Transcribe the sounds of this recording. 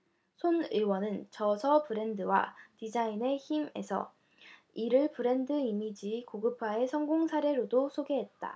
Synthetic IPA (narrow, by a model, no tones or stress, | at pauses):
sʰonɯɭwʌnɯnt͡ɕʌsʰʌpɯɾe̞ndɯwa̰tid͡ʑaine̞çime̞sʰʌ̰ | iɾɯɭpɯɾe̞ndɯimid͡ʑikoɡɯpʰae̞sʰʌŋɡoŋsʰaɾe̞ɾodosʰoɡe̞ɦe̞t̚t͈a̰